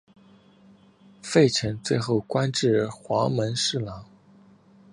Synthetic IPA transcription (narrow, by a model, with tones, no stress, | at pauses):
fe˥˩ɪʈ͡ʂʰə˧˥ŋt͡swe˥˧ɪxo˥˩ʊkwa˥nʈ͡ʂɻ̩˥˩xwɑ˧˥ŋmə˧˥nʂɻ̩˥˩lɑ˧˥ŋ